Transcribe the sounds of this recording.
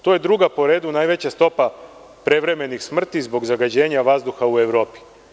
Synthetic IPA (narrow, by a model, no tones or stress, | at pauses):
t̪oje̞d̪ɾuɡapo̞ɾe̞ːd̪unaːjʋe̞t͡ɕast̪o̞pa | pɾe̞ʋɾe̞me̞nixsmr̩t̪izbo̞ɡzaɡad͡ʑe̞ːɲaʋazd̪uxaue̞ʋɾo̞ːpi̥